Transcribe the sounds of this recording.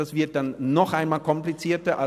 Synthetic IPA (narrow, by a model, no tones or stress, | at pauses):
asv̥ɪɐt̚d̥anːɔxʔaɪnmaːlkʰɔmplit͡siːɐtɐʔa